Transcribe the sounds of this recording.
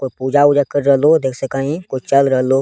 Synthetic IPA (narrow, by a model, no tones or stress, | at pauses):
kopuːd͡ʒaʊd͡ʒakəɾɾəɦloːd̪eːkʰsəkaːɦĩkʊt͡ʃt͡ʃəlɾəɦlo